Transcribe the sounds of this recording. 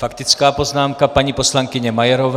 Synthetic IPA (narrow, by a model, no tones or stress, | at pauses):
fakt̪ɪt͡skaːpo̞znaːmkapaɲiposlaŋkɪɲɛmajɛɾov